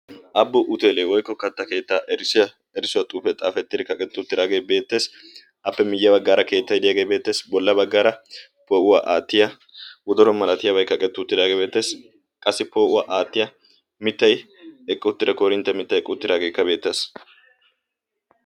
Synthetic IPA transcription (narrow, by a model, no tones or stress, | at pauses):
ʔɐbːɔʔʊt̪eːleːwɔjkːɔkɐt̪ːɐke̞ːt̪ːaːʔɾ | ɛɾɪsʊwɐt̪ʼuːpɛt̪ʼa̰ːfɛt̪ːɪd̪ɪkɐkʼɛt̪ːʊʊt̪ːɪd̪aːɡe̞jbe̞ːt̪ːe̞ːs | ʔɐpːɛmɪjːɐbɐɡːaːɾɐke̞ːt̪ːɐjd̪ɪjaːɡe̞jbe̞ːt̪ːe̞ːsbɔlːɐbɐɡːaːɾɐ | poːʔʊwaːʔaːt̪ːɪjɐ | wɔd̪ɔɾɔmɐlɐt̪ɪjɐbɐjkɐkʼɛt̪ːʊʊt̪ːɪd̪aːɡebe̞ːt̪ːe̞ːs | kʼɐsːɪpoːʔʊwaːʔaːt̪ːɪjɐ | mɪt̪ːɐj | ɛkʼːɪʊt̪ːɪd̪ɐkoːɾɪnt̪ːɛmɪt̪ːɐjɛkʼːɪʊt̪ːɪd̪aːɡe̞ːkːɐbe̞ːt̪ːeːs